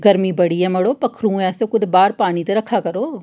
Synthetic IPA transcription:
ɡəɾmĩːbəɽiːɛ̃ːməɽoːpɐkʰɾũːɛ̃ːsekʊd̪baːɾpaːñit̪eɾɐkʰːaːkəɾoː

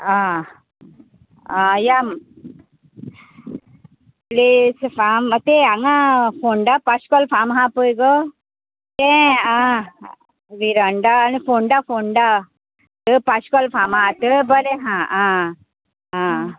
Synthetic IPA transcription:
a | jam | plisfamt̪ẽaŋãfoɳɖapaskɔlfamɦãpəjɡɔ | t̪ẽa | ʋiɾəɳɖaːnifoɳɖafoɳɖa | t̪əpaskɔlfamɦãt̪əbəɾeɦãã | ã

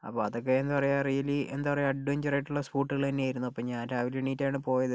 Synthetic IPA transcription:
ɐ̰pːoːɐðo̞k̬ːeenupɐrɐjarijɐliend̪upɐrɐjaɐɖːueɲd͡ʑɐrɐjiʈːuɭːɐspuːʈːɨɣɐɭt̪ɐnːeaːjiɾunːuɐpːɐmɲaːnaːʋiliɳiːtːaːɳɨpo̞ːjɐðɨ

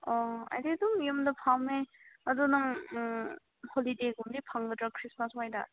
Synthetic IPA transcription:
ɔa̰jdeduŋjumdɐpʰame | ɐdunaŋ | holideɡumdipʰaŋɡɯdɾakʰɾismaswajda̰

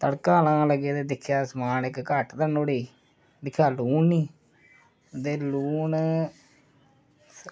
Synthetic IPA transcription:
t̪əɽkãːlãːləɡeːd̪eːd̪ɪkʰːjaːsmaːnɪkːəʈd̪ənoːɽiː | d̪ɪkʰːjaːluːnniː | d̪eːluːn

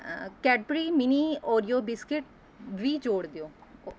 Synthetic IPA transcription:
kɛːʈ̚pɾiːminiːoːɾijoːbɪskɪʈ | ʋiːd͡ʒoːɽd̪eoː

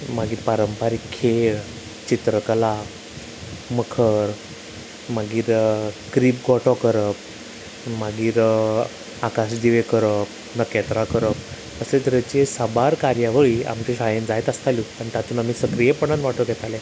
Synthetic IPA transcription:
maɡiːɾpaɾəmpaɾikʰːeɭ | t͡ɕit̪ɾəkəla | məkʰəɾ | maɡiːɾkɾiːpɡɔʈɔkəɾəp | maɡiːɾ | akasd̪iʋekəɾəp̚ | nəkːɛt̪ɾakəɾəp̚ | əset̪ɾət͡ɕesəbaɾkaɾjaʋəɭia̰mt͡ɕeɕajə̃nd͡zajt̪əst̪aluañit̪at̪uːnamiːsəkɾijepəɳ̃anʋaʈəɡʱɛt̪alẽ

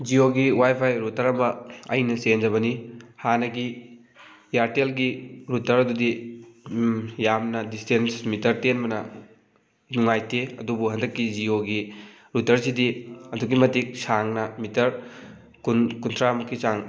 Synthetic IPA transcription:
d͡ʒioɡiwajpʰajɾutɐɾɐmɐɐ̰jnɐsend͡ʒɐβɐnihanɐɡi | jaɾtelɡiɾutɐɾɐdudi | jamnɐdistensmitɐɾtenbɐnɐ | nuŋajtʰeɐdubuɦɐndɐkːid͡ʒioɡi | ɾutɐɾsidiɐduɡimɐtik̚saŋnɐmitɐɾ | kunkuntʰɾamɐkːisaŋ

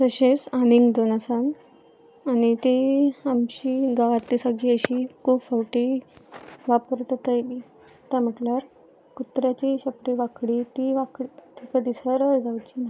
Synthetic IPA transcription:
səɕesaniŋɡd̪onasam | anit̪iamɕiɡaʋat̪lisaɡʱiəɕiːkʰuːbfəwʈi | ʋapəɾt̪ət̪əjbi | t̪am̤əʈlaɾ | kut̪ɾjat͡ɕiɕəpɽeʋakɽit̪iʋakɽit̪ʰikəd̪isəɾəɭd͡zaʋut͡ɕina

